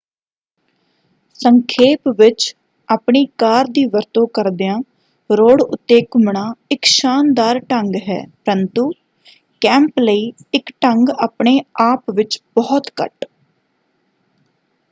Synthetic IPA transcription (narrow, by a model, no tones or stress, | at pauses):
səŋkʰeːpʋɪt͡ʃ | aːpɳiːkaːɾd̪iːʋəɾt̪õːkəɾd̪ejãː | ɾoːɽʊ̰t̪ːeːkmɳaːɪkʃaːnd̪aːɾʈəŋɡɦɛ̰ːpəɾənt̪uː | kɛ̃ːmpləiːɪkʈəŋɡaːpɳeːaːpʋɪt͡ʃbɔːt̪kə̰ʈ